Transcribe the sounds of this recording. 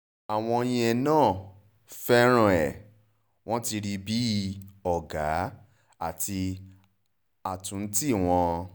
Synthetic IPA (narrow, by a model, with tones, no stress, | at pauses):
a˨w̃ɔ̃˧jĩ˧ɛ˧nãː˦˨ | fɛ˦ɾ̃ã˧ɛ˨ | w̃ɔ̃˦ti˧ɾi˧bi˨˦˧ɔ˨ɡa˨˦ | a˦˨ti˧ | a˨tũ˨˧n̩˦ti˦˨w̃ɔ̃˧